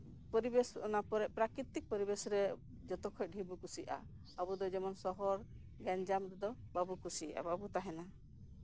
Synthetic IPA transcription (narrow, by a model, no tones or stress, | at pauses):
pɔɾibesɔnapɔɾɛʔpɾakɾit̪ik̚pɔɾibesɾɛ | d͡ʒɔt̪ɔkʰɔc̚ˀɦibukusiʔa̰ | abud̪ɔd͡ʒɛmɔnsɔɦɔɾ | ɡaɲd͡ʒamɾɛd̪ɔbabukusiʔa̰babut̪aɦɛna